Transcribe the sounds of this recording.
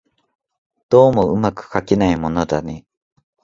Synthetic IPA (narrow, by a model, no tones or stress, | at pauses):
d̪̥o̞ːmo̞ɯ̟makɯ̟̥kakʲinaimo̞no̞d̪aɲʲi